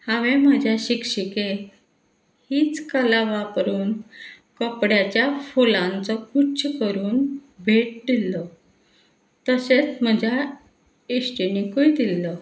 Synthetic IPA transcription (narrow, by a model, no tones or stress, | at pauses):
haʋem̤əd͡ʑʱjaɕikɕike | hiːt͡skəlaʋapɾuːn | kəpɽjat͡ɕjafolãnt͡sɔkut͡ɕkəɾuːnbʱeʈ̚d̪ilːɔ | t̪əset͡sm̤əd͡ʑʱja | isʈinikoid̪ilːɔ